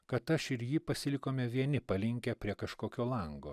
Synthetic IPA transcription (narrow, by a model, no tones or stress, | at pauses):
kɐt̪ɐʃɪɾjiːpɐsʲɪlʲɪkoːmʲɛʋʲiɛnʲɪpɐlʲɪŋʲkʲɛpʲɾʲiɛkɐʃkoːkʲoːlˠɐŋɡoː